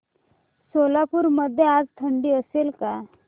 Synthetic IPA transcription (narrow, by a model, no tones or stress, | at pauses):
solapuːɾməd̪ʱːjead͡zt̪ʰəɳɖiːəselka